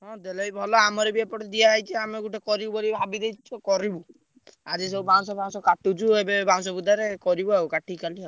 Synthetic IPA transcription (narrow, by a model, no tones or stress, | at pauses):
ɦɔ̃d̪elɔjbʱɔlɔamɔɾebiapɔʈd̪iaːjt͡ʃʰiameɡuʈekɔɾibubɔlibʱabid̪ejt͡ʃt͡ʃʰɔkɔɾibu | ad͡ʒis̬eubaŋsɔbʱaŋsɔkaʈut͡ʃʰuebebaŋsɔbud̪ʱaɾekɔɾibuawkaʈikaliɦaw